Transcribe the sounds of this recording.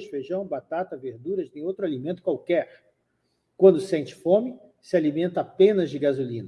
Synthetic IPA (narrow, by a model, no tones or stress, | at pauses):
ʃfeʒɐ̃w̃bat̪at̪ɐveɾd̪uɾɐznẽj̃owt̪ɾʊalimẽnt̪ʊ̥kwawkɛɾ | kwɐ̃nd̪ʊsẽnt͡ʃɪ̥fõmɪ | sɪalimẽnt̪ɐapẽnɐzd͡ʒɪɡazulĩnɐ